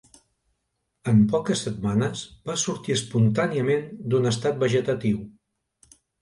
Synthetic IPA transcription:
əmpɔkəsːət̪manəzbasuɾt̪iəspunt̪aniəmend̪unəst̪at̪̚bəʒət̪ət̪iw

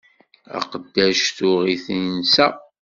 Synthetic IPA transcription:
æ̰qəd̪ːæʃθʊʁiθnsæ̰

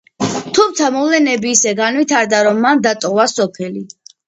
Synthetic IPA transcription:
t̪ʰumt̪ʰamɔlɛnɛbiːsɛɡanwit̪ʰaɾd̪aɾɔmːand̪at̪ʼɔvasɔpʰɛli

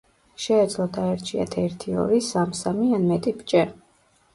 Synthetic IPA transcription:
ʃɛːd̪zlˠɔd̪ʰaɛɾt͡ʃʰia̰t̪ʰɛɾt̪ʰiɔ̰ɾisamsamianmɛt̪ʼibt͡ʃʼɛ

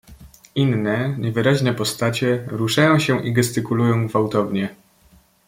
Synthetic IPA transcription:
inːɛɲɛvɘɾaʑnɛpɔst̪at͡ɕɛɾuʂajɔ̃w̃ɕɛʔiɡɛst̪ɘkulujɔ̃w̃ɡvawt̪ɔvɲɛ

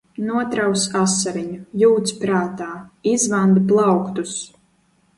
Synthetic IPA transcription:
nuɔt̪ɾawsasːaɾiɲujuːt̪spɾaːt̪aːizvand̪blˠawkt̪us

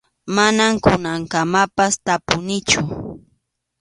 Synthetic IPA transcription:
manamkʊnaŋkamapast̪apʊnɪt͡ʃʊ

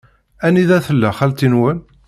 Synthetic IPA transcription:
æniðæθəlːæχælt̪inwæl

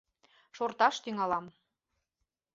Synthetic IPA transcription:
ʃort̪ɑʃt̪yŋɑlɑm

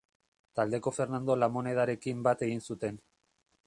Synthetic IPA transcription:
t̪ald̪e̞ko̞fe̞ɾnand̪o̞lamo̞ne̞ð̞aɾe̞kimbat̪e̞ɣ̞insut̪e̞n

